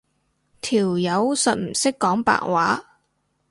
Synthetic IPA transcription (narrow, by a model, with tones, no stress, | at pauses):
t̪ʰiː˨˩wjɐ˨˧˥wsɐ˨t̚m̩˨˩sɪ˥kːɔː˨˥ŋpa̰ː˨˩kwaː˨˥